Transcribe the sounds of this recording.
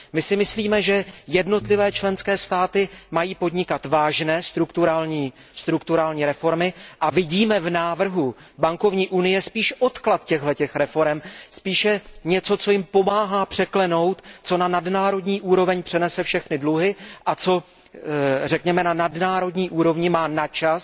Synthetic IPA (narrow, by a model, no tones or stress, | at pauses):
mɪsɪmɪsliːmɛʒɛjɛdno̞t̪lɪvɛːt͡ʃlɛnskɛːst̪aːt̪ɪmajiːpo̞dɲɪkat̪vaːʒnɛːst̪ɾukt̪uɾaːlɲiː | st̪ɾukt̪uɾaːlɲiːɾɛfo̞ɾmɪʔavɪɟiːmɛvnaːvr̩ɦu | baŋko̞vɲiːʔunɪjɛspiːʃʔo̞t̪klat̪cɛɣlɛcɛxɾɛfo̞ɾɛmspiːʃjɛɲɛt͡so̞t͡so̞jɪmpo̞maːɦaːpr̝̥ɛklɛno̞wt̪t͡so̞nanadnaːɾo̞dɲiːʔuːɾo̞vɛɲpr̥ɛnɛsɛfʃɛxnɪdluɦɪʔat͡so̞ | rɛkɲɛmɛnanadnaːɾo̞dɲiːʔuːɾo̞vɲɪmaːnat͡ʃas